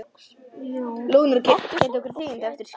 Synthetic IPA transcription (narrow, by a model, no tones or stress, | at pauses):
luːnʏɾcɛcɛːt̪ɪɔhkʏɾ̥θiːɪnt̪ɛft̪ɪɾ̥